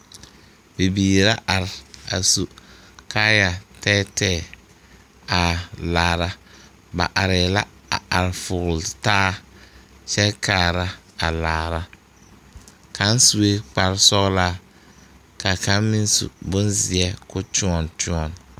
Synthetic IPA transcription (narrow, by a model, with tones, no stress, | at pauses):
bi˨biː˨ɾa˦ʔa˨ɾɪ˨a̰˨su˨ | kʰaː˦ja˨tɛː˦tɛː˦˨ | a˨laː˨ɾa˦ | ba̰˨ʔa˨ɾɪ˨la˦a˨a˨ɾɪ˨fʊ˨ɣʊ˨ltaː˦ | t͡ʃɛ˦kʰaː˨ɾa˦ | a˨laː˨ɾa˦ | kʰa˦n˦su˦e˦k͡pa˨ɾsɔ˦ɣla˦ | ka˨ka˦mɪ˦nsṵ˨bʊ˦nzɪ˨ɛ˦kʊ˦tu˦ɔ˨ntu˦ɔ˨n